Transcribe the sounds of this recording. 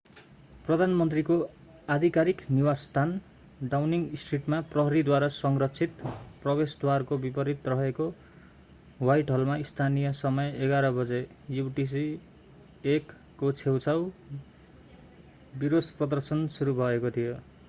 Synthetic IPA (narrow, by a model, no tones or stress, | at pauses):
prʌd̪ʱanmʌnt̪riko | ad̪ʱikaɾikniwast̪ʰan | ɖawniŋsʈriʈmaprʌɦʌɾid̪waɾasʌŋrʌtt͡sʰit̪prʌbesd̪warkobipʌɾit̪rʌɦeko | wajʈɦʌlmaist̪ʰanijʌsʌmʌjeɡaɾʌbʌd͡ze | juʈis̬i | ekː | ot͡sʰewt͡sʰaw | biɾoprʌd̪ʌrsʌnsuɾubʱʌekot̪ʰijo